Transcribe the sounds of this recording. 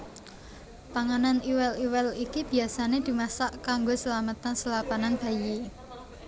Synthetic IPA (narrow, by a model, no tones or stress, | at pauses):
p̪aŋananiwɛliwɛlikib̥i̤asaned̪̥i̤masaʔkaŋɡosəlamət̪ansəlapananb̥a̤ji